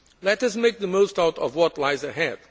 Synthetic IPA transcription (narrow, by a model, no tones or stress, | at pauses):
lɛtʌsmeɪk̚ðəmoʊstaʊtɔ̰vwɔtˡlaɪzəɦɛd̥̚